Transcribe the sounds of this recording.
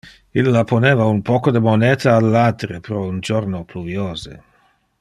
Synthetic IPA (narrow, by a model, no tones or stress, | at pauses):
ilːaponeːvaunpɔːkod̪emoneːt̪aːlːad̪ɾepɾɔund͡ʒoɾnopluvjoːzḛ